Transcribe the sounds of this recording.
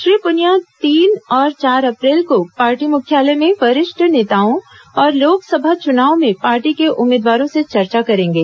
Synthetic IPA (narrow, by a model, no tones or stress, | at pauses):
ʃɾiːpʊnjat̪iːnɔːɾt͡ʃaːɾɐpɾɛːlkopaːɾʈimʊkʰjaːlɛmẽfɐɾɪʃʈʰəneːt̪aːõɔːɾloːɡsɐbʱat͡ʃʊnaːõmẽpaːɾʈikeʔʊmːeːd̪ʋaːɾõset͡ʃɐɾt͡ʃakɐɾẽːŋɡeː